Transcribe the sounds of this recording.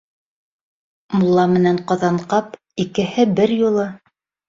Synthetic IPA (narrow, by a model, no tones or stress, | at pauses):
mulˠːɑmɘ̆næɴqŏðɑɴqɑp | ikɘ̆hɘbɘɾjulˠɤ